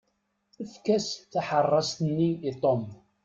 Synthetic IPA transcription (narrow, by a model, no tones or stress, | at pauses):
əfkæsθaħərˤːɑst̪ənːiːt̪ˤom